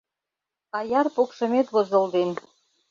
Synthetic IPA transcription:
ɑjɑrpokʃɤ̆met̪βozɤ̆ld̪en

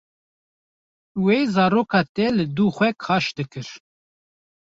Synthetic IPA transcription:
wezɑːɾoːkʰɑːt̪ɛlɨd̪uːxʷɛkʰɑːʃd̪ɨkɨɾ

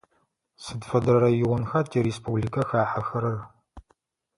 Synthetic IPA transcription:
sɨdfɐdɐɾɐjɪwɔnxɐtʰiɾeːspʰublikʰɐxaːħɐxɐɾɐr

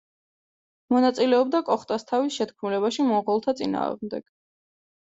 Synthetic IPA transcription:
mɔnat̪sʼilɛɔbd̪akʼɔχt̪ʼast̪ʰavisʃɛt̪kʰmulɛβaʃimɔʁɔlˠt̪ʰat̪sʼina̰ːʁmd̪ɛ̰ɡ̥

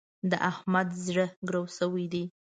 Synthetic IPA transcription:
d̪əʔahmad̪zɽəɡɾawsəwid̪i

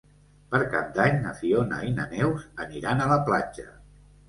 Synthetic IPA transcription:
pəɾka̰p̚d̪aɲnəsionə̰inə̰nɛwzəniɾanələplad͡ʒə̰

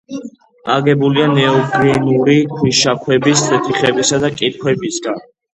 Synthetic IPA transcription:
aɡɛbulianɛɔɡɾɛnuɾitʰwiʃakʰwɛbisd̪ɛt̪ʰiχɛbisad̪akʼit̪̚kʰwɛbisɡan

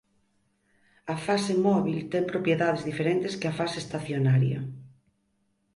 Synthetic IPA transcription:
ɐfasemɔβilt̪ɛmpɾopjeðaðezðifeɾent̪eskeɐfasest̪aθjonaɾjɐ̰

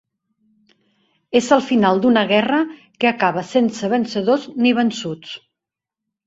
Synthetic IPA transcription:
ezəlˠfinalˠd̪unəɣ̞ɛrə | kəəkaβəsensəβənsəðozniβ̞ənsut͡s

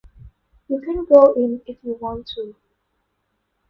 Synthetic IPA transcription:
jukʰə̃nɡoʊʔɪ̃nɪfjuwɔ̃ntʰːu

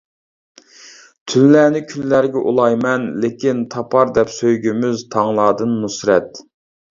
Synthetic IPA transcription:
t̪ʰynlæːnɪkʲʰynlæɾɡʲɛʔulˠɑjmɛnlekʲʰint̪ʰɑpʰɑɾd̪ɛpsøjɡʲymyzt̪ʰɑŋlˠɑːd̪ɨnmusɾɛt̪

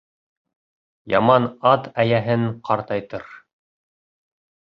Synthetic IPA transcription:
jɑmɑnɑt̪æjæɦɘŋqʰɑɾt̪ɑjt̪ɤɾ

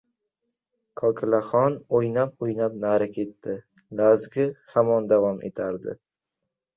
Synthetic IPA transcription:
kʰɒkʰɪlaχɒnojnap̚ojnap̚naɾakʰʲe̞t̪ːɪ | lazɡʲɪhamɒnd̪avɒmʔḛt̪ʰaɾd̪ɪ̰

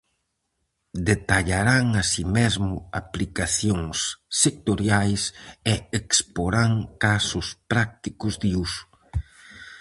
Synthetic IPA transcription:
d̪et̪aʎaɾaŋasimezmʊaplikaθjoŋsːek̚t̪oɾjajseekspoɾaŋkasʊspɾak̚t̪ikʊzðiusʊ̥

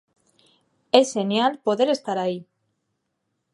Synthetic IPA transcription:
esenjalpo̞ðeɾe̞st̪aɾai

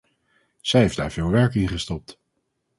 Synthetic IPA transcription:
z̥ɛjɦejfd̥a̰ːɹv̥ɪːlˠʋɛɹkɪnχəstɔp̚t

